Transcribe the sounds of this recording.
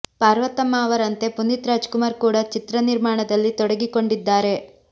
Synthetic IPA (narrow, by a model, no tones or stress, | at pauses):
paːɾʋɐt̪ːɐmːaːʋɐɾɐnt̪e̞punːit̪ɾaːd͡ʒkumaːɾkuːɽɐt͡ʃit̪ɾɐniɾmaːɳɐd̪ɐlːit̪ɔɽɐɡiko̞ɳɖid̪ːaːɾe̞